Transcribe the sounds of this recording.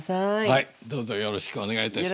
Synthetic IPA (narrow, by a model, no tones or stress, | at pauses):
sahaid̪o̞ːzojo̞ɾo̞ɕi̥kɯoneɡait̪a